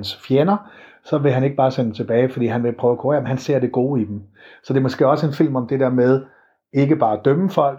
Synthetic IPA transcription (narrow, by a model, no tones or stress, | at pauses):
nsfjenɐ | sɒ̽ʋe̝ɦæne̝ɡ̥̚b̥ɑ̈ːsent͡sʰe̝b̥ɛːɪfɒ̽d̥ḭːɦænʋe̝pʰʁœʊækʰoʁḛɐmenhænse̝ɐ̰d̥e̝ɡ̥o̝̰ːid̥em̩sɒ̽d̥e̝ɐmo̽sɡ̥e̝̰ːɒ̽səe̝nfil̰mɒ̽md̥e̝deɐ̰með̞ˠ | e̝ɡ̥əb̥ɑ̈ːd̥œməfɒ̽l̰ɡ